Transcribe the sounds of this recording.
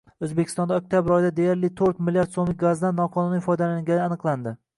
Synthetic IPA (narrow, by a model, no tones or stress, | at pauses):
ɵzbekʲʰɪ̥st̪ɒnd̪aok̚ʲt̪ʰjabɪɾɒjd̪ad̪e̞jaɾlɪt̪ʰɵɾt̪mɪlijaɾt̪somlɪk̚ʲɡazd̪anːɒqʰɒnunifɒjd̪alaŋɡʲanɪanɨqlˠand̪ɪ